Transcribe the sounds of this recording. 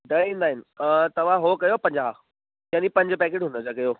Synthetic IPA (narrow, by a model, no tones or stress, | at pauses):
ɖɐĩːnd̪aːɦɪnɪ̆t̪ɐʋ̤ãɦokɐjopɐ̃ɲd͡ʑa | jãːnipɐ̃ɲd͡ʑəpɛːkeːʈɦũnd̪əd͡ʑakɐjo